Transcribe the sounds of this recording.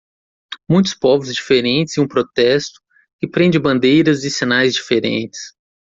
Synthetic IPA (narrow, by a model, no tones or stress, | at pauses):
mũj̃t̪ʊ̥spɔvʊzd͡ʒifeɾẽnt͡ʃɪzɪũpɾot̪ɛst̪ʊ̥ | kɪpɾẽnd͡ʒɪbɐ̃nd̪ejɾɐzɪsinajzd͡ʒifeɾḛ̃nt͡ʃɪ̥s